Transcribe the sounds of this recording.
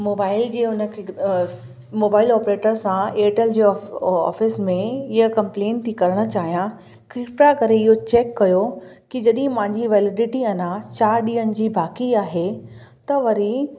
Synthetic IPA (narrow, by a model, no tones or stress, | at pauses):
moːbaːɪld͡ʑeːʊnə̆kʰe | moːbaːɪlɔːpɾeːʈəɾsãeːʈəld͡ʑeːɔ̰ːfɪsmẽɪɦəkɐ̃mplẽːnt̪ʰikɐɾəɽ̃ə̆t͡ɕaːɦijã | kɾɪpɾakɐɾeɪɦot͡ɕeːkːɐjokid͡ʑɐɗɦɪ̃pɐ̃ɦɪ̃ɲd͡ʑiʋɛːlɪɖɪʈiɐnat͡ɕaːɾɗiːənɪ̆d͡ʑiːbaːkiaːɦet̪ɐʋɐɾi